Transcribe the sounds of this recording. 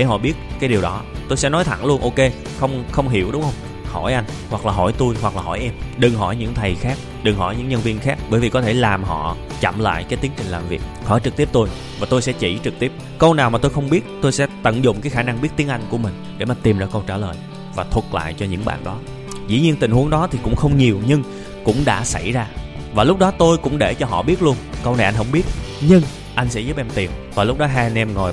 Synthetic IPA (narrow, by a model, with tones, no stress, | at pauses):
ɗe˧˩ɦɔ̰˧˨ɓi˦˥ət̚kaː˨˦jɗi˨˩əwɗɔ˨˦t̪o˧jsɛ̰˧˥nɔ˨˦jt̪ʰa̰˧˩ŋlu˧ənʔo˧ke˧ | xə˧wŋ͡mxə˧wŋ͡mɦḭ˧˩əwɗʊ˨˦ŋ͡mhə˧wŋ͡m | hɔ˧˩jʔa˧jŋ̟ | hwa˨˩k̚laː˨˩ɦɔ˧˩jt̪u˧jhwa˨˩k̚laː˨˩ɦɔ˧˩jʔɛ˧mɗɨ˨˩ŋɦɔ˧˩jɲɨ̰˧˥ŋt̪ʰə˨˩jxaː˦˥k̚ | ɗɨ˨˩ŋɦɔ˧˩jɲɨ̰˧˥ŋɲə˧nvi˧ənxaː˦˥k̚ɓəː˧˩jvi˨˩kɔ˨˦t̪ʰe˧˩laː˨˩mɦɔ̰˧˨ | t͡ɕa̰˧˨mla̰ː˧˨jkaː˨˦t̪i˨˦əŋt͡ɕï˨˩ŋ̟laː˨˩mvi˨˩ək̚hɔ̰˧˩jt͡ɕɨ˨˩k̚t̪i˦˥p̚t̪o˧j | vaː˨˩t̪o˧jsɛ̰˧˥t͡ɕḭ˧˩t͡ɕɨ˨˩k̚t̪i˦˥əp̚kə˧wnaː˨˩wmaː˨˩t̪o˧jxə˧wŋ͡mɓi˦˥ət̚t̪o˧jsɛ̰˧˥t̪ə̰˧˨nzʊ̰˧˨ŋ͡mkaː˨˦jxaː˧˩na˧ŋɓi˦˥ət̚t̪i˨˦əŋʔa˧jŋ̟ku˧˩əmï˨˩ŋ̟ɗe˧˩maː˨˩t̪i˨˩mzə̰ː˧˥kə˧wt͡ɕaː˧˩ləː˨˩j | vaː˨˩t̪ʰwə˨˩t̚la̰ː˧˨jt͡ɕɔ˧ɲɨ̰˧˥ŋɓa̰ː˧˨nɗɔ˨˦ | zḭ˧˥ɲi˧ənt̪ï̟˨˩hu˨˦əŋɗɔ˨˦t̪ʰi˨˩kʊ̰˧˥ŋ͡mxə˧wŋ͡mɲi˨˩əwɲɨ˧ŋ | kʊ̰˧˥ŋ͡mɗa̰ː˧˥sa˧˩jzaː˧ | vaː˨˩lʊ˦˥k͡p̚ɗɔ˨˦t̪o˧jkʊ̰˧˥ŋ͡mɗe˧˩t͡ɕɔ˧ɦɔ̰˧˨ɓi˦˥t̚lu˧ənkə˧wna˨˩jʔa˧ŋ̟ɦə˧wŋ͡mɓi˦˥ət̚ɲɨ˧ŋ | ʔa˧jŋ̟sɛ̰˧˥zəː˨˦ʔɛ˧mt̪i˨˩əmvaː˨˩lʊ˦˥k͡p̚ɗɔ˨˦ɦaː˧jnʔɛ˧mŋo˨˩j